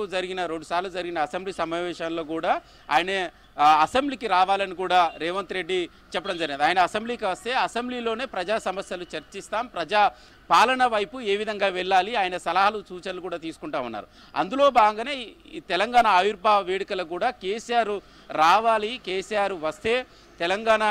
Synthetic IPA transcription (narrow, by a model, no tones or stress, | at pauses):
d͡ʒɐɾiɡinɐɾeɳɖusaːɾlud͡ʒɐɾiɡinɐːsembliːsɐmaːʋɛːʂanlo̞ːkuːɽaː | a̰ːjɐne | ɐsembliːkiɾaːʋaːlɐnikuːɽaːɾɛːʋɐnt̪ɾe̞ɖːi | t͡ʃɛpːɐɽɐmd͡ʒɐɾiɡind̪iaːjɐnɐːsembliːkiʋɐst̪eːɐsembliːlo̞ːne̞ːpɾɐd͡ʒaːsɐmɐsjɐlut͡ʃɐɾt͡ʃist̪aːmpɾɐd͡ʒaː | paːlɐɳɐʋɐjpue̞ːʋid̪ʱɐŋɡaːʋɛɭːaːliaːjɐnɐsɐlaɦɐlut͡ʃuːt͡ʃɐnɐlukuːɽaːt̪iːsu̥kuɳʈaːunːa̰ːɾu | ɐ̰nd̪ulo̞ːbaːɡɐŋɡɐneːt̪ɛlɐŋɡaːɳaːjuɾbʱaːʋeːɽikɐlɐk̬uːɽaːke̞ːsijaːɾu | ɾaːʋaːlikeːsijaːɾuʋɐst̪e̞ː | t̪ɛlɐŋɡaːɳa